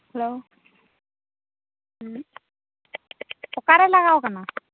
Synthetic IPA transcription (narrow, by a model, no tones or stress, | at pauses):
hɛlo | ɔkaɹɛlaɣawkana